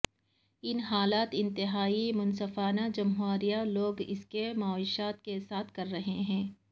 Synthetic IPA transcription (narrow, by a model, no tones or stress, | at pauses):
ɪnɦaːlaːt̪ɪ̃nt̪ɪɦaːimʊnsəfaːnad͡ʒɐmɦuaːɾijaloːɡɪ̰skemaːɪʃaːt̪kesaːt̪ʰkɐɾːɐɦeɦɛ̃ː